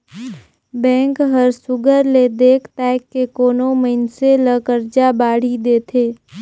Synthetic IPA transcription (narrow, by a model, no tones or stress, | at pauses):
bɛ̃ːŋkɦəɾsʊɡəɾled̪eːkʰt̪ɛːkːekoːnoməɪnseləkəɾd͡ʒabaːɽ̤id̪eːt̪ʰeː